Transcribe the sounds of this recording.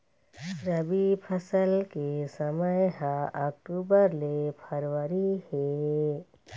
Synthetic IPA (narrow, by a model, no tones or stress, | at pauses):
ɾəbipʰəsəlkesəməjɦãɐk̚ʈuːbəɾlepʰəɾwəɾihe